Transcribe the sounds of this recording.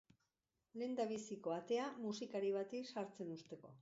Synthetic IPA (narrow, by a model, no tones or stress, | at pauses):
le̞nd̪aβ̞isiko̞at̪e̞amusikaɾiβ̞at̪isaɾt͡se̞nust̪e̞ko̞̰